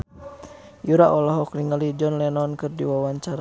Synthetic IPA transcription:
juɾaʔɔlɔɦɔkɾiŋalid͡ʒɔnlɛnɔnkɨrdiwawaɲt͡ʃaɾa

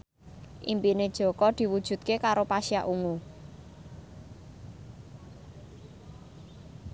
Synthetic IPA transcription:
ʔḭmpined̥ʒ̥ɔ̤kɔd̪̥i̤wud̥ʒ̥ṳt̪̚kekaɾopaʃiaʔuŋu

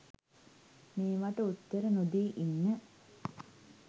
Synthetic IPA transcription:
meːʋaʈəut̪ːəɾənud̪eːʔinːə

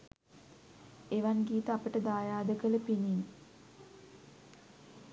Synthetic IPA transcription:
eʋanɡiːt̪əapəʈəd̪aːjaːd̪əkələpinin

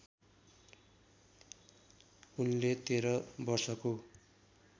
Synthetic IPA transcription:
unlet̪eɾʌbʌrsʌko

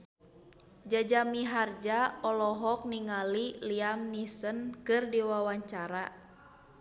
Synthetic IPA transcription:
d͡ʒad͡ʒamiɦard͡ʒaɔlɔɦɔk̚niŋaliliamnisənkɨrdiwawaɲt͡ʃaɾa

